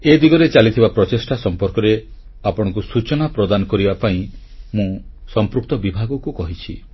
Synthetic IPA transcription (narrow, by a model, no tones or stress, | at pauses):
ed̪iɡɔɾet͡ʃalit̪ʰibapɾɔtesʈasɔmpɔɾkɔɾe | apɔɽ̃ɔ̃ŋkusut͡ʃɔnapɾɔd̪anɔkɔɾibapaĩ | mũsɔmpɾuk̚t̪ɔbibʱaɡɔkukɔɦit͡ʃʰḭ